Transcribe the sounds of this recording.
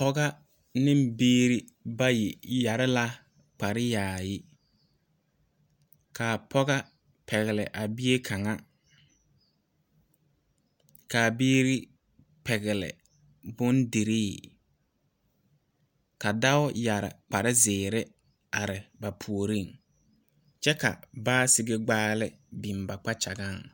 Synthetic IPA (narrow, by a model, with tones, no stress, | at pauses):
pɔ˦ɣa˦ | nɪ˦mbiː˦ɾi˦ | ba˦ji˨ja˨ɾɪ˦la˦ | k͡pa˨ɾɪ˦jaː˨jɪ˦ | kʰaː˨pʰɔ˦ɣa˦ | pʰɛ˨ɣɪ˨lɪ˨ʔa˨bɪ˦e˦kʰa˨ŋa˦ | ka˨biː˦ɾi˦ | pɛ˨ɣɪ˨lɪ̰˨ | bʊ˦ndi˨ɾiː˦˨ | ka˨da˦ʊ˦ja˨ɾɪ̰˨k͡pa˨ɾɪ˦zɪː˨ɾɪ˦ | a˨ɾɪ˨ba˨pʰu˨o˨ɾi˦˨ŋ | t͡ʃɛ˦ka̰˨baː˦sɪ˦ɡe˦ɡ͡baː˦lɪ˦ | bi˨mba˨k͡pa˦t͡ʃa˨ɡa˦˨ŋ